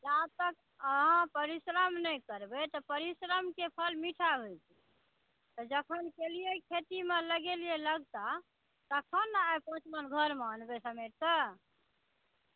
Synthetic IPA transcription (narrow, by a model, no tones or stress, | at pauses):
lat̪ək | əɦãpəɾisɾəmnɛjkəɾbet̪ɔpəɾisɾəmkepʰəlmiʈʰaɦot͡ʃʰɛ | t̪ɔd͡ʒəkʰənkelijekʰet̪imeləɡelieləɡt̪a | t̪əkʰənːapə̃t͡ʃmənɡʱəɾmanbesəmeʈ̚t̪ə